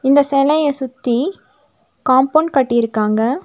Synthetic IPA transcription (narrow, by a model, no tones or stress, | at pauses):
ɪnd̪ɐsɛlɐjɐsʊt̪ːi | kaːmpoɳɖkɐʈːɪjɪɾɯkːaːŋɡɐ